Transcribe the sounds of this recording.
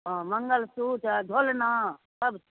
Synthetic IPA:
mɐŋɡəlsuːʈd̪ʱoːlnaːsɐb

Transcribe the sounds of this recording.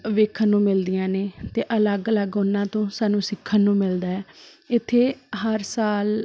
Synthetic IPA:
ʋeːkʰənːũːmɪld̪ɪjãːneːt̪eːʔələɡələɡʊnːãːt̪õːsaːnũːsɪkʰːənːũːmɪld̪aːɛː | ɪt̪ʰːeːɦəɾsaːl

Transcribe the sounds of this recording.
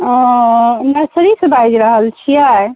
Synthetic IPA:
nəɾsɾisẽbajd͡ʒɾəɦəlt͡ʃʰiaj

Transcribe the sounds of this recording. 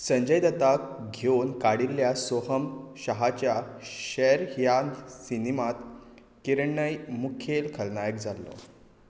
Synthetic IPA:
səɲd͡ʑəjd̪ət̪ak̚ɡʱeunkaɽilːjasoɦəmɕəɦat͡ɕjaɕeɾjansinimat̪ | kiɾɳːəjmukʰelkʰəlnajəkd͡zalːɔ̰

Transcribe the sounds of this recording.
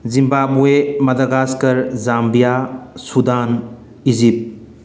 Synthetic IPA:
zimbabuemɐd̪ɐɡaskɐɾzambijasud̪an | izip̚

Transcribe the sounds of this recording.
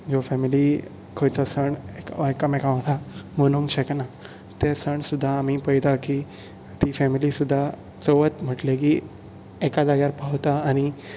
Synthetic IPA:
d͡zofɛmili | kʰojt͡sasəɳekʋakamekaʋʈʰamonuŋɕekna | t̪esəɳsud̪ʱːaːmipəjd̪aki | t̪ifɛmilisud̪ʱːa | t͡soʋət̪m̤əʈlek̬i | ekad͡zaɡjaɾpawt̪aːñi

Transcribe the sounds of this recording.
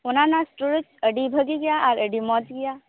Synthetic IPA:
ʊnãnasʈuɾət͡ʃəɖibʱəɡiɡɐjaɔːɾəɖimɔːt̪ɡɪja

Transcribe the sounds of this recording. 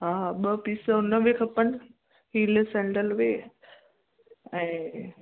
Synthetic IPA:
ɦaːɓəpiːsəʊnəʋekʰɐpəɳ̆ | hiːlsɛ̃ːɳɖəlʋeː | ɛ̃ː

